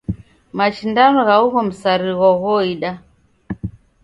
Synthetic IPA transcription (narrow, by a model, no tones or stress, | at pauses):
mat͡ʃindanɔɣauɣɔm̩saɾiɣɔɣɔiɗa